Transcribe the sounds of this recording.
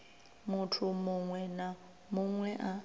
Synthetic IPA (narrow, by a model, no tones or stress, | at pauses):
mutʰumuŋwɛna | muŋwɛʔa